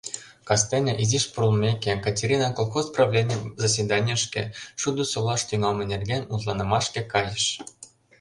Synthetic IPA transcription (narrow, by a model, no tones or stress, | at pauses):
kɑst̪enʲeʔiziʃprulˠmʲekʲekɑtʲeɾʲinɑkolˠxosprɑvlʲenʲzɑsʲvʲed̪ɑnʲjəʃkḛʃud̪osolɑʃt̪yŋɑlmɤnʲerɡʲenʲut̪lˠɑnɤ̆mɑʃkĕkɑjəʃ